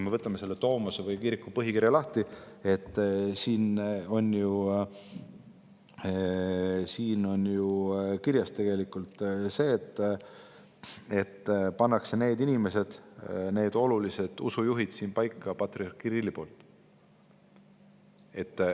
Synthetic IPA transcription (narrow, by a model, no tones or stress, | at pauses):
mevɤt̪ːˑɑmese̞lːet̪o̞ːmosevɤjkiɾikːˑupɤɦikiɾjɑlɑht̪ie̞t̪ːsiːno̞nju | siːno̞njukiɾjɑst̪e̞ɡe̞likːˑult̪se̞ːt̪ːˑ | e̞t̪ːpɑnːɑkse̞ne̞ːd̪inʲime̞se̞d̪̥ne̞ːd̪̥o̞lulise̞d̪̥ṵsujuɦid̪̥siːnpɑjkːˑɑpɑt̪riɑkiɾilipo̞ːlt̪ˑ | e̞t̪ː